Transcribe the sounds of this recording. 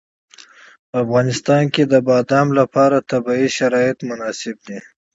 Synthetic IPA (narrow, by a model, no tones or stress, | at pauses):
pəafɣɑnɪst̪ɑnked̪əbɑd̪ɑmlapɑɾat̪abɑiʃaɾɑɪt̪mʊnɑsɪb̚d̪i